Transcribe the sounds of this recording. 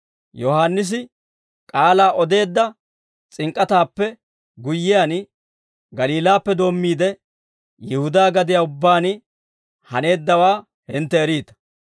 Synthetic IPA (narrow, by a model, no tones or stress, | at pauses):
jɔhaːnːɪs̬ɪ | kʼaːlaːʔɔd̪e̞ːd̪ːɐ | t͡sʼɪŋkʼːɐt̪aːpːɛ | ɡʊjːɪjan | ɡɐliːlaːpːɛd̪o̞ːmːiːd̪ɛ | jɛhʊd̪aːɡɐd̪ɪjaːʊbːaːn | hɐne̞ːd̪ːɐwaː | hɪnt̪ːɛːɾiːt̪ɐ̥